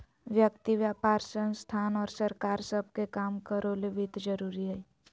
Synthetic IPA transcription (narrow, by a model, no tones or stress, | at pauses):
ʋjək̚t̪iʋjaːpaːɾsə̃nst̪ʰaːnɔːɾsɐɾkaːɾsəb̚ʱkekaːmkəɾoleʋɪd̪d͡ʒəɾuːɾiɦɛ